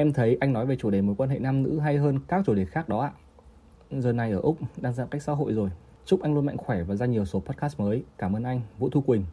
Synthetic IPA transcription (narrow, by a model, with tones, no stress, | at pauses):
ʔɛ˧mt̪ʰə˨˦jʔa˧jŋ̟nɔ˨˦jve˨˩t͡ɕu˧˩ɗe˨˩mo˨˦jkwaː˧nɦḛ˧˨naː˧mnɨ̰˧˥ɦa˧jɦəː˧nkaː˦˥k̚t͡ɕu˧˩ɗi˨˩ət̚xaː˦˥k̚ɗɔ˨˦ʔa̰ː˧˨ | zəː˨˩na˨˩jʔəː˧˩ʔʊ˦˥k͡p̚ɗaː˧ŋzaː˧˨ka˦˥jk̚sa̰ː˧˥ɦo̰˧˨jzo˨˩j | t͡ɕʊ˦˥k͡p̚ʔa˧jŋlu˧ənma̰˧˨ŋxwɛ˧˩vaː˨˩zaː˧ɲi˨˩əwso˨˦pɔ˦˥t̚kaː˦˥st̚məː˨˦jkaː˧˩mʔəː˧nʔa˧jŋvṵ˧˥t̪ʰu˧kwï˨˩ŋ̟